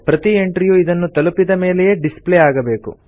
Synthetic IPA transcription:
pɾɐt̪ieɳʈɾijuid̪ɐnːut̪ɐlupːid̪ɐmeːlejeɖispleːaːɡɐbe̞ːkṵ

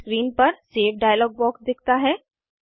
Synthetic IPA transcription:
kɾiːnpɐɾseːfʰɖaːjəlɔːɡ̚bɔːksd̪ɪkʰt̪aɦɛː

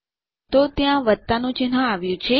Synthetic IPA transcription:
t̪ot̪jãʋət̪ːanũt͡ʃɪnɦãaʋjũt͡ʃʰe

